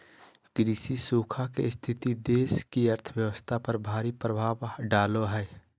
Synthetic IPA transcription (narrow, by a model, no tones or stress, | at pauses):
kɾiːsisuːkʰakest̪ʰɪt̪id̪eːskiɐɾt̪ʰəwjəʋəst̪ʰapɐɾbʱaːɾipɾəbʱaːʋɖaːloɦɛː